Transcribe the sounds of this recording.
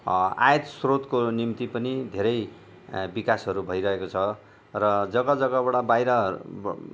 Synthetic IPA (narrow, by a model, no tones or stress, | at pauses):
a̰jet̪srot̪konimt̪ipʌnid̪ʱeɾʌj | bikasɦʌɾubʱʌjɾʌɦekot͡sʰʌ | rʌd͡zʌɡʌd͡zʌɡʌbʌɽabajɾʌ